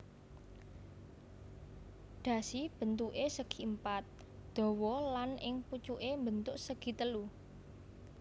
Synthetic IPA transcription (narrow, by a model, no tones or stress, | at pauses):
ɖ̪̥ä̤sib̥ə̤nt̪uʔesəɡ̥i̤mpat̪̚ | d̪̥ɔ̤wɔlanɪŋput͡ʃuʔembənt̪ʊʔsəɡ̥i̤t̪əlu